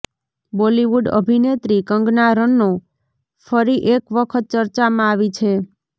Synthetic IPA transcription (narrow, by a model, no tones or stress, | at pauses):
boliʋuɖə̰bʱinet̪ɾikəŋɡnaɾənːo | fəɾiʔekʋəkʰət̪̚t͡ʃəɾt͡ʃamãaʋit͡ʃʰe